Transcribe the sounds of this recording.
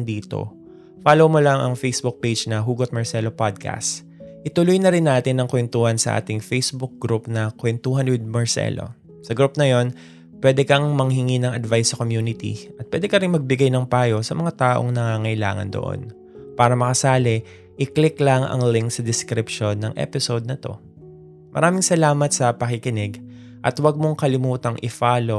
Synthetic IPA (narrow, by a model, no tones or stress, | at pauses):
ŋd̪iːt̪o̞̰ | faːlowmolɐŋʔɐ̰ŋfejsbuk̚pejd͡ʒnɐɦuːɡot̪̚mɐɹsɛlo̞pad̪̚kʰa̰st̪ | ʔɪt̪ʊlʊjnɐɾɪnːaːt̪ɪnːɐŋkwɛnt̪uːhɐnsɐ̰ʔa̰ːt̪ɪŋfejsbʊk̚ɡɾupnɐkwɛnt̪uːɦɐnwɪd̪̚mɐɹsɛ̰lo̞̰ | sɐɡɾupnɐjo̞n | pwɛd̪ɛkɐŋmɐŋɦɪŋinɐŋɐd̪vajsɐkomjuːnɪt̪ḭʔɐt̪̚pwɛd̪ɛkɐɾɪŋmɐɡ̚bɪɡajnɐŋpaːjo̞sɐmɐŋat̪aːʔo̰ŋnɐŋaːŋɐʔɪla̰ːŋɐ̰nd̪o̰ʔo̰n | paːɾɐmɐkɐsaːlɛ | ʔɪklɪklɐŋʔɐ̰ŋlɪŋksɐd̪ɪskɾɪpʃo̞nːɐŋʔɛ̰pɪsod̪̚nɐt̪o̞̰ | mʔɐ̰ɾaːmɪŋsɐlaːmɐt̪sɐpɐkɪkɪnɛɡ | ʔɐt̪wɐɡ̚mo̞ŋkɐlɪmuːt̪ɐŋʔɪfaːlo̞